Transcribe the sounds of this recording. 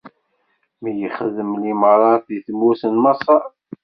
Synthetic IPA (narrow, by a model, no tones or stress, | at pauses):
mijəχəðəmliməɾˤɑθiθmusənmɑsˤɑ